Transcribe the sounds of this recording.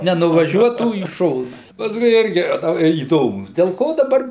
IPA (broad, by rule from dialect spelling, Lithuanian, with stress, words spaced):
nʲɛnʊʋɐˈʒʲuɔtuː iː ˈʃoːnɐ pɐsˈkʊɪ ˈɪrʲɡʲɪ ɐ ˈtɐ iːˈdoːmʊ dʲɛlˠ ˈkoː dɐˈbɐr